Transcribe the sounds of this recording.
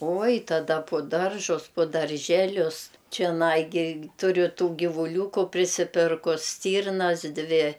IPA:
ˈoːj tɐˈdɐ pʊ ˈdɐrʒʊs pʊ dɐr ˈʒʲæːlʲʊs t͡ʃʲɛˈnɐɪ ɡʲɪ ˈtʊrʲʊ ˈtuː ɡʲɪʋuːˈlʲuːkʊ pʲrʲɪsʲɪˈpʲɪrkʊs ˈsʲtʲiːrnɐs ˈdʲʋʲɪ

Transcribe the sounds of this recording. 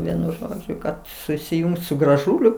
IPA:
ˈʋʲiɛnʊ ˈʒoːd͡ʒʲʊ kɐt sʊsʲɪˈjʊŋks sʊ ɡrɐˈʒuːlʲʊ

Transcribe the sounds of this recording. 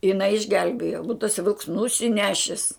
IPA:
jɪˈnɐɪ ɪʒʲˈɡʲɛlʲbʲeːjoː buːt tɐˈsɐɪ ʋʲɪlˠks nʊsʲɪˈnʲæːʃʲɪs

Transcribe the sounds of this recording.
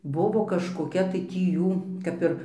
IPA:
ˈbʊʋoː kɐʃkoːˈkʲɛ tɐɪ ˈtʲiː ˈjuː kɐp ˈɪr

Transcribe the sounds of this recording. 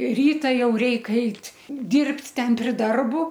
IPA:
ˈrʲiːtɐ ˈjɛʊ ˈrʲɛɪk ˈɐɪtʲ ˈdʲiːrʲpʲtʲ ˈtʲɛn pʲrʲɪ ˈdɐrbʊ

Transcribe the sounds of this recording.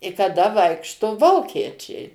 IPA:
ɪ kɐˈdɐ ˈʋɐɪkʃtoː ˈʋoːkʲiɛt͡ʃʲɛɪ

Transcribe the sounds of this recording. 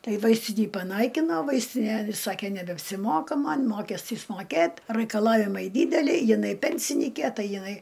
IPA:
ˈtɐɪ ˈʋɐɪsʲtʲɪnʲiː pɐˈnɐɪkʲɪnoː ˈʋɐɪsʲtʲɪnʲɛ ˈsɑːkʲeː nʲɛbʲɛɐpʲsʲɪˈmoːkɐ ˈmɐnʲ ˈmoːkʲɛsʲtʲiːs moːˈkʲeːtʲ rɐɪkɐˈlˠɑːʋʲɪmɐɪ ˈdʲiːdʲɛlʲɛɪ jɪˈnɐɪ ˈpʲɛnʲsʲɪnʲiːkʲeː ˈtɐɪ jɪˈnɐɪ

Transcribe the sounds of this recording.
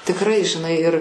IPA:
tʲɪkˈrɐɪ ʒʲɪˈnɐɪ ɪr

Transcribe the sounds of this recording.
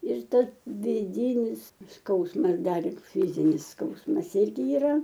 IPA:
ɪr ˈtɐs ʋʲɪˈdʲiːnʲɪs ˈskɐʊsmɐs ˈdɐr ˈlʲɪk ˈfʲɪzʲɪnʲɪs ˈskɐʊsmɐs ˈɪrʲɡʲɪ ɪˈrɐ

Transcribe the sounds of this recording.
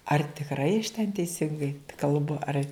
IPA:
ɐr tʲɪkˈrɐɪ ɐʃ tʲɛn tʲɛɪˈsʲɪŋɡɐɪ kɐlˠˈbʊ ɐr

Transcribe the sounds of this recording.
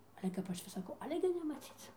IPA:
ˈɑːlʲɛ kɐp ˈɐʃ ʋʲɪs sɐˈkɐʊ ˈɑːlʲɛ ɡʲɪ nʲɛmɐˈt͡sʲiːt͡s

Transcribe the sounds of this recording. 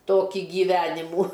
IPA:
ˈtoːkʲiː ɡʲiːˈʋʲæːnʲɪmuː

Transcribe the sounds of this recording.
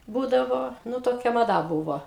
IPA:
ˈbuːdɐʋoː ˈnʊ ˈtoːkʲɛ mɐˈdɐ ˈbuːʋoː

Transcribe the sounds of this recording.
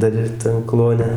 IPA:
ˈdɐr ˈɪr tɐn ˈklˠuɔnʲɛ

